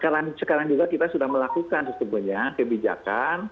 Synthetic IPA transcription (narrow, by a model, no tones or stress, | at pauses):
əkaɾaŋsəkaɾaŋd͡ʒuɡakit̪asudahməlakukansət̪umbuhɲakəbid͡ʒa̰kan